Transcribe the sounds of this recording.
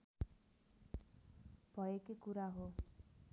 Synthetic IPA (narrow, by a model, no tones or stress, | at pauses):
b̥ʱʌjekikuɾaɦo